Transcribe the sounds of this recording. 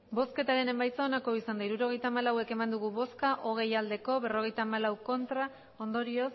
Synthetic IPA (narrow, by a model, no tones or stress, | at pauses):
bo̞ske̞t̪aɾe̞ne̞mbajt͡saonako̞isand̪aiɾuɾo̞ɣ̞e̞jt̪aːmalawe̞ke̞mand̪uɣ̞uβo̞skaʔo̞ɣ̞e̞jald̪e̞ko̞βe̞ro̞ɣe̞jt̪aːmalawko̞nt̪ɾa | o̞nd̪o̞ɾio̞s